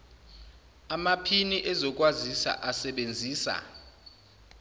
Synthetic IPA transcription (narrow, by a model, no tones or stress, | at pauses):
amapʰiniʔɛzɔk̬ʼwazisa̰ʔasɛɓend͡zʱiːsa̰